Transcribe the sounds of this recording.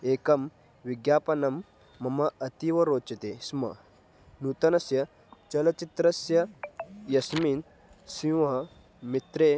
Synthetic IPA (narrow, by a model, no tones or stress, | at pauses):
eːkɐm | ʋiɡjaːpɐnɐmː | ɐmɐʔɐt̪iʋɐɾoːt͡ʃɐt̪esmɐ̰ | nut̪ɐnɐsjɐ | t͡ʃɐlɐt͡ʃit̪ɾɐsjɐjɐsmiːn | sĩʋɐ | mit̪ɾe